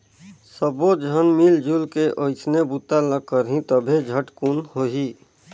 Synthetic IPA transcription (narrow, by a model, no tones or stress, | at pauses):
səbod͡ʒʱənmild͡ʒulkeʔoɪsʰnebut̪ːaləɡ̚kəɾɦĩt̪əbʱed͡ʒʱəʈkunhoɦi